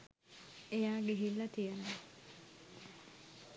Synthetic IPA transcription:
ejaːɡeɦilːɐt̪ijenɐ

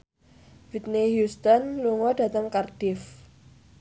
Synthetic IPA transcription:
vit̪̚niɦjust̪ɔnluŋɔd̥a̤t̪əŋkard̥ɪf

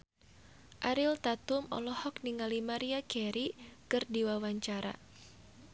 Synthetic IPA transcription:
ʔaɾilt̪at̪umɔ̰lɔhɔkniŋalimaɾiakɛɾikɨrdiwawaɲt͡ʃaɾa̰

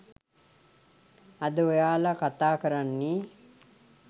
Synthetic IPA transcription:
ad̪əojaːlakat̪aːkəɾanːi

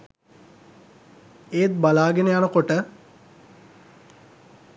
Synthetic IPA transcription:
eːt̪̚balaːɡenəjanəkoʈə

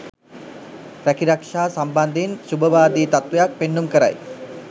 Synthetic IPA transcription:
pɾækiɾakʂaːsamband̪ensubəʋaːd̪iːt̪at̪ʋejak̚penːumkəɾa̰j

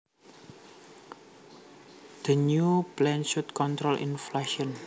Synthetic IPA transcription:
d̪̥ənuplɛnʃut̪̚kɔnt̪ɾɔlʔḭnflaʃiɔn

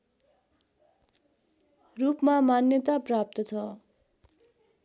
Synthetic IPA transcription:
rupmamanjʌt̪aprap̚t̪ʌt͡sʰʌ

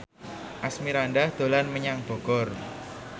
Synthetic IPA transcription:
ʔasmiɾandahd̪̥o̤lanməɲaŋb̥ɔ̤ɡ̥ɔr

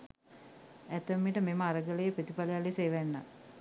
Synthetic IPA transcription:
æt̪əmːiʈəmeməaɾəɡələjəpɾət̪ipalejaleseːʋænːa̰

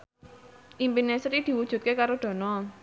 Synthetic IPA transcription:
ʔimpinesəɾid̪̥i̤wud̥ʒ̥ṳt̪̚kekaɾod̪̥ɔ̤nɔ

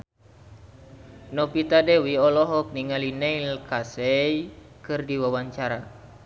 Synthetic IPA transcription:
nɔpit̪adɛwiɔlɔɦɔk̚niŋalinɛilkasɛj | kɨrdiwawaɲt͡ʃaɾa

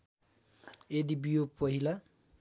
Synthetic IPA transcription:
ed̪ibijopʌɦila

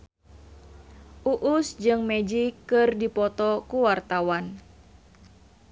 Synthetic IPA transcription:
ʔuʔusd͡ʒɨŋmɛd͡ʒikːɨrdipɔt̪ɔkuwart̪awan

